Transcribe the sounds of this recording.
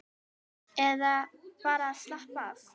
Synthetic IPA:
ɛðapaɾaslahpas

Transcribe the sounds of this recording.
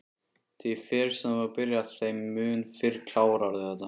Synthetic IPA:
t̪ʰifɛːɾ̥sɛmvaɾpɪɾjaðθejmːʏːnfɪɾkʰlaːwɾaɾðɪθɛt̪ːa

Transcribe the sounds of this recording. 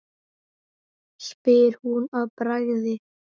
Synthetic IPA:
spɪɾ̥hunaðpɾaɣðɪ

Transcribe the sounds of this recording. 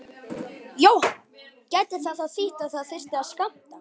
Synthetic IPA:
joːw | cɛjt̪ɪθaðθaðθɪht̪aθaðfɪst̪ɪaðskam̥t̪a

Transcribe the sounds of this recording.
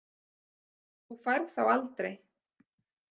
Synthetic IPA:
θufaɾðθawalt̪ɾej

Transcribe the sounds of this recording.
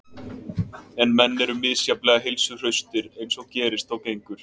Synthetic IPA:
ɛnmɛnːɛɾʏmːɪðsjaplɛːɣaɦɪlsʏr̥œɥst̪ɪɾejnsɔɣcɛːɾɪst̪awcejŋkʏɾ̥

